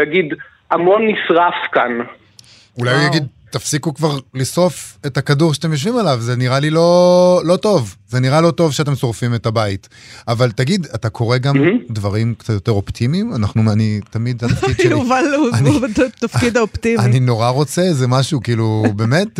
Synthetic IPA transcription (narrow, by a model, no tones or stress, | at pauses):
jaɡid̪ | amonːisʁafkan | ulajjjaɡid̪̚ | tafsikukvaʁliso̞fetakaduʁʃat̪e̞mjoʃ̬vimalavzeniʁalilo̞lo̞to̞vzeniʁalo̞to̞vʃeat̬emso̞ʁfimetabait | avaltaɡid̪at̪akʰo̞ʁe̞ɡamd̪vaʁimkt͡sat̪jo̞te̞ʁo̞ptʰimimanaχnuanit̪amid̪tafkidjuvaluant̪afkid̪aopt̪ianino̞ʁaʁo̞t͡sezemaʃukiːlube̞met